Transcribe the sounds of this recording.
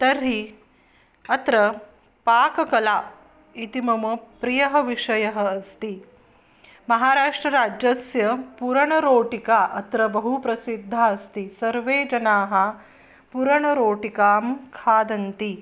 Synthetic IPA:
t̪ɐɾɦi | ɐt̪ɾɐ | paːkɐkɐlaː | it̪imɐmɐpɾijɐɦɐ̆ʋiʂɐjɐɦɐ̆ɐst̪i | mɐɦaːɾaːʂʈɾɐɾaːd͡ʒjɐsjɐpuɾɐɳɐɾoːʈikaːʔɐt̪ɾɐbɐɦupɾɐsid̪ʱːaːɐst̪isɐɾʋeːd͡ʒɐnaːɦɐ | puɾɐɳɐɾoːʈikaːmkʰaːd̪ɐnt̪i

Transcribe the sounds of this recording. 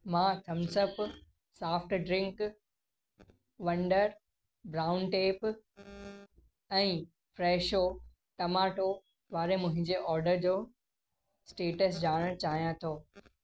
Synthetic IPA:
mãːt̪ʰɐmsəp | saːfʈɖɾɪ̃ŋk | ʋɐ̃ɳɖəɾ | bɾaːʊnʈeːp | ɛ̃ː | fɾɛːʃo | ʈɐmaːʈo | ʋaːɾemʊ̃ɦɪ̃ɲd͡ʑeʔɔːɾɖəɾd͡ʑoː | sʈeːʈəs̬d͡ʑaːɽ̃ə̃t͡ɕaːɦijãt̪ʰoː

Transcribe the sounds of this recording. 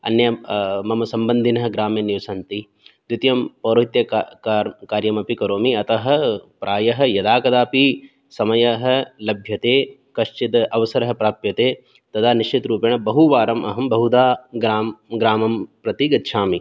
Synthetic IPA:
ɐ̰njɐmɐmɐsɐmbɐnd̪ʱinɐɦɐ̆ɡɾaːmeniʋsɐnt̪i | d̪it̪jɐmpoːɾoɦit̪jɐakaːɾjɐmɐpikɐɾoːmiɐt̪ɐɦɐ̆pɾʔaːjɐɦɐ̆jɐd̪aːkɐd̪aːpi | sɐmɐjɐɦɐ̆lɐbʱjɐt̪eː | kɐʃt͡ʃit̪ɐʋɐsɐɾɐɦɐ̆pɾaːpjɐt̪eː | t̪ɐd̪ʰaːniʃt͡ʃit̪ɾuːpjɐɳ̃ɐbɐɦuʋaːɾɐmʔɐɦɐmbɐɦud̪aːɡɾaːmɡɾaːmɐmpɾɐt̪iɡɐt̪ʃʰaːmi

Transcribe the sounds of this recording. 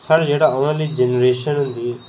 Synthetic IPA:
sʰəɽd͡ʒeːɽaːəʋãːliːd͡ʒənɾeːʃənɦʊnd̪iː

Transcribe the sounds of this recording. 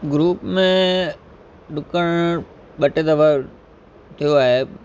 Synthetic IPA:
ɡɾuːpmẽ | ɗʊkəɽ̃ | ɓɐʈed̪ɐʋa | t̪ʰijoaːɦe

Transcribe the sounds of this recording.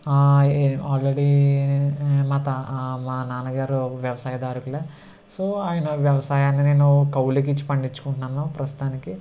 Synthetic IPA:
aaːlɾeɽi | maːt̪ɐmaːnaːnɐɡaːɾuʋjɐʋɐsaːjɐd̪aːɾukuleː | soːaːjɐnɐʋjɐʋɐsaːjaːnːine̞ːnukɐwlik̬it͡ʃːi̥pɐɳɖit͡ʃːu̥kuɳʈnaːnopɾɐst̪u̥t̪aːniki

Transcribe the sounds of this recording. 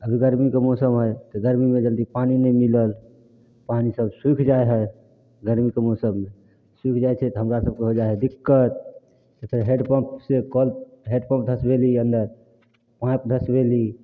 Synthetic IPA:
əbʱiɡəɾmikemɔsəmɦəjt̪ɔɡəɾmimed͡ʒəld̪ipaninəmiləl | panisəbsikʰd͡ʒaeɦə | ɡəɾmikemɔsəmːe | sikʰd͡ʒajt͡ʃʰɛt̪ɔɦəmɾasəb̚keɦod͡ʒaɦɛd̪ikːət̪̚ | t̪əpʰiɾɦeɖpəpsekəl | ɦeɖpə̃p̚d̪ʱəsbeliənd̪əɾ | pãpd̪ʱəsbeli

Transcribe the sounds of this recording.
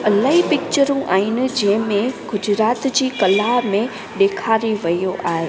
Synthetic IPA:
ɐlaːɦipɪk̚t͡ɕəɾũʔaːɦɪnɪ̆d͡ʑɐ̃ɦɪ̃mẽɡʊd͡ʑɾaːt̪d͡ʑiːkɐlaːmẽ | ɗeːkʰaːɾiʋɐjoʔaːɦeː

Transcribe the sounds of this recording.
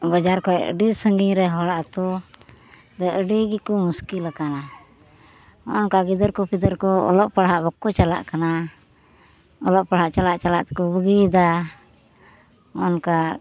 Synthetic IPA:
bəd͡ʒaɾkɔɛə̰ɖisəŋɡiɲɾɛɦɔɽaʔt̪u | d̪ɛʔəɖiɡikɔmuskilakana | ɔ̰nkaɡid̪əɾkɔpid̪əɾkɔɔ̰lɔʔpaɽɦaʔbɔkːɔt͡ʃala̰ʔkana | ɔlɔʔpaɽɦaʔt͡ʃalaʔt͡ʃalaʔt̪ɛkɔbəɡid̪a | ɔnka

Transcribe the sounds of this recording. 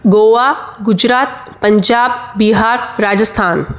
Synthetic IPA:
ɡoːʋaːɡʊd͡ʒɾaːt̪̚ | pɐ̃ɲd͡ʒaːb̚biɦaːɾːaːd͡ʒəst̪ʰaːn

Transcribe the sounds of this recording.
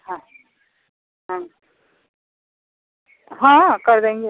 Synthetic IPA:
hã | ɦã | ɦãːkɐɾd̪ẽːŋɡe

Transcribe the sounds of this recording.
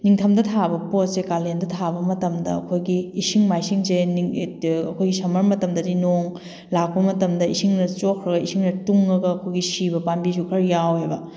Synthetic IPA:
niŋtʰɐmdɐtʰabɐpot̚sekalendɐtʰabɐmɐtɐmdɐɐkʰojɡiːsiŋmajsiŋseniɐkʰojɡisɐmɐɾmɐtɐmdɐdinoŋ | lak̚pɐmɐtɐmdɐisiŋnɐt͡ʃokʰɾɐɡɐisiŋnɐtuŋːɐɡɐːkʰojɡisibɐpambisʰukʰɐɾjawhebɐ

